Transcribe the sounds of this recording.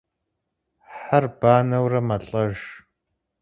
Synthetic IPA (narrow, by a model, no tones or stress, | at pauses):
ħarb̥aːnɐwrɐmɐɬʼɐʒ